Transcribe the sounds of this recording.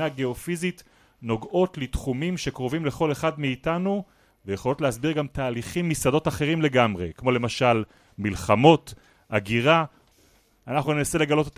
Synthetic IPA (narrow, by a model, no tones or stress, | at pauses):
aɡeo̞fizit | no̞ɡʔo̞tlitχumimʃe̞kʁovimleχo̞le̞χadmeːtanu | vejeχo̞lo̞t̪lehasbiʁɡamt̪aːliχimːisado̞taχe̞ʁimle̞ɡamʁe̞kmo̞le̞maʃal | milχamo̞t̪ | ʔaɡiʁa | anaχnunenasele̞ɡalo̞t̪ot